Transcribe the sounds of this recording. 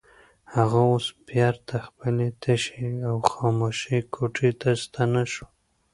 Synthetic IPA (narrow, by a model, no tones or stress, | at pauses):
haɣaosbjɑɾt̪ʰaxpəlet̪ʰaʃeawxɑmoʃikʰoʈʰet̪ast̪anaʃu̥